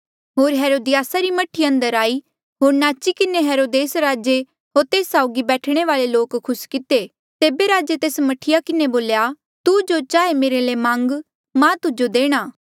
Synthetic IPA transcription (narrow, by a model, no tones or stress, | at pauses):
ɦoːɾɦɛːɾoːd̪ɪjaːsaɾimɐʈʰiɐ̃nd̪əɾaːi | ɦoːɾnaːt͡ʃikɪneɦɛːɾoːd̪eːsɾaːd͡ʒe | ɦoːɾt̪eːsːaːʊɡibɛːʈʰɽ̃eʋaːleloːkkʰːʊskɪt̪e | t̪eːbeɾaːd͡ʒet̪eːsmɐʈʰɪjakɪneboːlja | t̪ud͡ʒot͡ʃaːemeːɾelemãːŋɡ | mãt̪ʊd͡ʒod̪eːɽ̃aː